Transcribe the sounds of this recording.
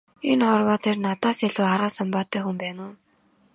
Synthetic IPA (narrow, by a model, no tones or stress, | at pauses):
enχɔrwaːt̪ʰernat̪aːseɮuːaɾaːsampaːt̪ːæːxumpæːnʊː